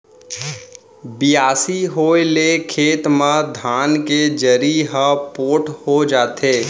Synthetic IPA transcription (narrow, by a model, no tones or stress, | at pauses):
bɪjaːsiɦoːelekʰeːt̪mãd̪ʱaːnked͡ʒəɾiɦəpoːʈʰhod͡ʒaːt̪eː